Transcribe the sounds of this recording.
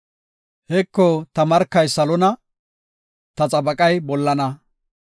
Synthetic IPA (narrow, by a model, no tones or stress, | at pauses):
hɛkːɔt̪ɐmɐɾkːɐjsɐlɔnɐ | t̪ɐt͡sʼɐbɐkʼɐjbɔlːɐnɐ